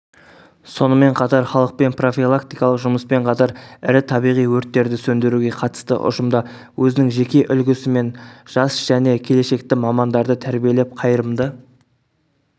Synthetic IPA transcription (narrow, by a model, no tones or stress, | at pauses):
so̞nəme̞ɴqʰɑt̪ɑɾχɑlˠəq̚pe̞npro̞filˠakt̪ijkɑlˠəqʒʊməspe̞ɴqʰɑt̪ɑɾɪɾɪt̪ʰɑbijʁijwɵɾt̪ːe̞ɾd̪ɪsɵnd̪e̞ɾuɡʲe̞qʰɑt̪ə̥st̪ə̰ʔʊ̰ʒəmd̪ɑ | wʔɵzɪnɪŋʒe̞kʲe̞ʔʏlɡʲɪsɪme̞nʒ̥ɑsʒ̥æne̞kʲʰe̞le̞ʃe̞kt̪ɪmɑmɑnd̪ɑɾd̪ət̪ʰæɾbije̞le̞p̚qʰɑjəɾəmd̪ə